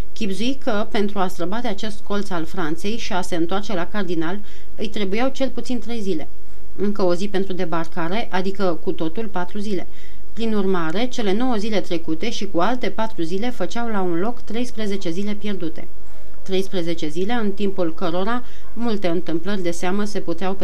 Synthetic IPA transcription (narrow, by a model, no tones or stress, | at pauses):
kʲibzuikəpe̞nt̪ɾuast̪ɾəbad̪e̞at͡ʃe̞st̪ko̞lt̪salfɾant̪se̞jʃiase̞ɨnt̪oart͡ʃe̞lakard̪inal | ɨjt̪ɾe̞bujawt͡ʃe̞lput̪sint̪ɾe̞jzile̞̰ | ɨŋkəo̞zipe̞nt̪ɾud̪e̞barkaɾe̞ʔad̪ikəkut̪o̞t̪ulpat̪ɾuzile | pɾinurmaɾe̞t͡ʃe̞le̞no̞wəzile̞t̪ɾe̞kut̪e̞ʃikualt̪e̞pat̪ɾuzile̞fət͡ʃawlaunlo̞kt̪ɾe̞jspɾeze̞t͡ʃe̞zile̞pje̞rd̪ut̪e̞̰ | t̪ɾe̞jspɾeze̞t͡ʃe̞zile̞ɨnt̪impulkəɾo̞ɾa | mult̪e̞ɨnt̪ɨmplərʲd̪e̞seaməse̞put̪eawp